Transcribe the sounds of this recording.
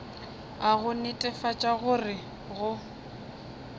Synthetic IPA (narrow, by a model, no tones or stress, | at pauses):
aɣʊnɪtʼɛfat͡ʃʼaɣʊrɪ | ɣʊ